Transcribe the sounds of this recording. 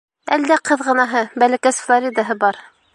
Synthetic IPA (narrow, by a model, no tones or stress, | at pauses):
æld̪æqʰɤðʁɤ̆nɑɦɤbælækæsflˠoɾʲid̪ɑɦɤbɑɾ